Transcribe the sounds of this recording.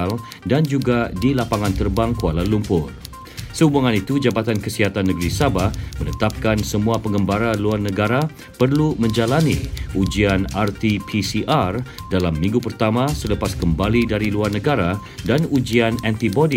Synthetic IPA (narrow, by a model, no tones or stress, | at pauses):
l | dand͡ʒuɡadilapaŋãnt̪ərbaŋkualanlumpʊr | səubuŋãnit̪ud͡ʒabat̪ankəsiɦat̪anːəɡɾisabahmənət̪ap̚kansəmũapəŋɡəmbaɾaluarnəɡaɾa | pərlumə̃ɲd͡ʒalanḭud͡ʒianart̪ipʰisiʔardalamːĩŋɡupərt̪amãsələpaskəmbalidaɾiluarnəɡaɾa | danud͡ʒianɛnt̪ibɔdi